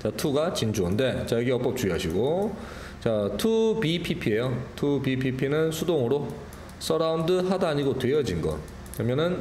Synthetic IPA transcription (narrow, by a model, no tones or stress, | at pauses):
t͡ɕatʰuɡat͡ɕind͡ʑuʌnde̞t͡ɕajʌɡeʌkp͈ʌp̚t͡ɕuiɦaɕʰiɡo | t͡ɕatʰupipʰipʰie̞jotʰupipʰipʰinɯnsʰudoŋɯɾo | s͈ʰʌɾaundɯɦadaɲiɡotwejʌd͡ʑinɡʌ̰ | kɯɾʌmjʌnɯn